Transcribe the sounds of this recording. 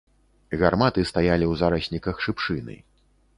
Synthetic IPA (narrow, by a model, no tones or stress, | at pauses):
ɣarmat̪ɨst̪ajalʲiwzaɾɐsʲnʲikɐxʂɨpʂɨnɨ̰